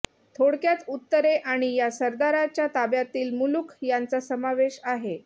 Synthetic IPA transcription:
t̪ʰoɽkjat͡sut̪ːəɾeʔaɽ̃ijasəɾd̪aɾat͡ɕjat̪abjat̪iːlmulukʰjant͡sasəmaʋeɕaɦe

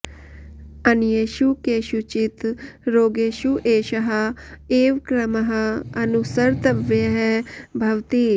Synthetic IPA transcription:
ɐnjeːʃukeːʃut͡ʃɪt̪ɾoːɡeːʃuʔeːʃɐɦɐeːʋkɾɐmɐɦɐɐnusɐɾt̪ɐʋɦɛbʱɐʋt̪iː

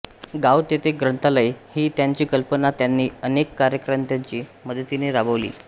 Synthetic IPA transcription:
ɡawt̪et̪eɡɾənt̪aləihiːt̪jaɲt͡ɕiːkəlpənat̪janːiːənekːaɾjəkɾəmt̪jaɲt͡ɕiːməd̪ʱət̪ineɾabəʋlḭː

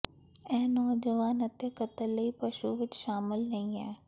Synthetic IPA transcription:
ɛ̃ːnɔːd͡ʒəʋaːnət̪jakət̪əlːəiːpəʃuʋɪt͡ʃʃaːmɪlnɐĩːɛː

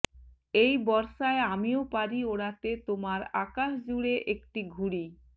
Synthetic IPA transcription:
ejbɔɾʃaeamiopaɾioɽat̪et̪omaɾakaʃd͡ʑuɽeʔekʈiɡʱuɽi

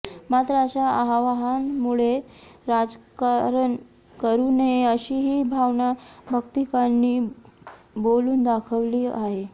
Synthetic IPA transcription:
mat̪ɾəəɕaaɦaʋaɦanmuɭeɾad͡zkaɾən | kəɾuːneəɕiːɦiːbʱaʋnabʱəkt̪ikanːiː | boluːnd̪akʰəʋliːaɦe

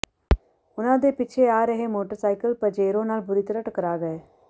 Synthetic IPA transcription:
ʊnãːd̪eːpɪːt͡ʃʰeaːɾɐɦeːmoːʈəɾsaːɪkəlpɐd͡ʒeːɾõːnaːlbʊɾit̪əɾəʈəkəɾaːɡɐeː

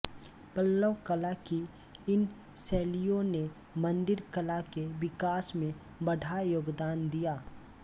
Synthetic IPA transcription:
pəlːəʋkəlaki | ɪn | sɛːlijõne | mɐ̃nd̪ɪɾkəlakeʋɪkaːsmẽ | bɐɖʱajoːɡd̪aːnd̪ijaː

